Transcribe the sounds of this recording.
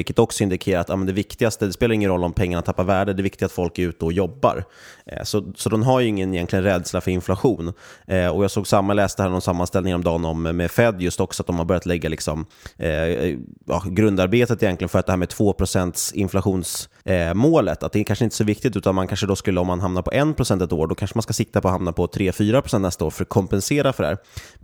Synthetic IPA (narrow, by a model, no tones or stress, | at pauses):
vɪlkːə̥t̪ɔksɔɪnd̪ɪkʰeːɾaɾat̪jɑːmɛnd̪ɛvɪkt̪ɪɡast̪əd̪ɛspeːlaɾɪŋːənɾɔlːɔmpʰɛŋːaɳat̪ʰːapːavæːɖəd̪ɛvɪkt̪ɪɡat̪fɔlkɛʉ̟ːt̪d̪ɔjɔbːa̰ɾ̰ | sɔsɔd̪ɔmɦaɾjɵɪŋːənɪjɛnt̪lɪɡənɾɛd̪slafœɾɪnflaɧuːnɔjɑːɡsoːɡsamːajlɛːst̪əhæːɳnɔnsamːanst̪ɛlnɪŋaɾɔmd̪ɑːnɔmːɛfɛd̪ːjɵst̪ɔksɔat̪̚d̪ɔmhabœɾjat̪lɛɡːalɪksɔm | jɑ̰ːɡɾɵnd̪aɾbeːt̪ət̪ɪjɛnt̪lɪɡənfœɾat̪d̪ɛhæːmɛt̪ʰv̥oːpʰɾʊsɛnt̪sɪnflaɧuːns | moːlət̪ʰat̪̚d̪ɛkanʂəɪnt̪əsɔvɪkt̪ɪt̪ʉ̟ːt̪anmankʰanʂəd̪ɔskɵlːəɔmːanɦamnapʰɔʔɛnpʰɾʊsɛnt̪ɛt̪oːɖɔkʰanʂəmanskasɪt̪ːapʰɔɦamnapʰɔt̪ʰɾeːfyːɾapɾʊsɛnnɛst̪aoːɾfœɾakʰɔmpɛnseːɾafœɖæ̰ːɾ